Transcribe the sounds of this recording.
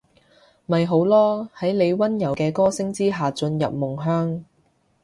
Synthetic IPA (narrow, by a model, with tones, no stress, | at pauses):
mɐ˨jɦo˨˥wlɔː˥hɐ˨˥jle˨˧jwɐ˥njɐ˨˩wkɛː˧kɔː˥sɪ˥ŋt͡siː˥ɦaː˨t͡sɵ˧njɐ̰˨p̚mʊ˨˩ŋɦœː˥ŋ